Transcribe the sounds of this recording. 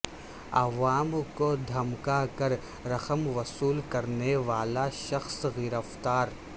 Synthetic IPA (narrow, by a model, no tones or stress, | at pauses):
ɐ̰ʋaːmkod̪ʱɐmkakɐɾ | ɾɐxəmʋɐsuːlkɐɾneʋaːlaʃɐxsɣiːɾəft̪aːɾ